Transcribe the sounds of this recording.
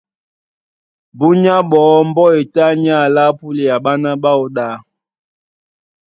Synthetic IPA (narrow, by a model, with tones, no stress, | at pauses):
bu˦ɲa˦ɓɔː˨˦m̩˦bɔ˦e˨ta˦ɲ˦a˦˨la˦pu˦le˨ja˨ɓa˦na˦ɓa˦o˨ɗa˨˦